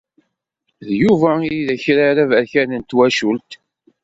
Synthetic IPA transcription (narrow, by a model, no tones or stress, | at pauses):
ðjuvæiiðæçɾaɾævæɾçænənt̪wæʃult̪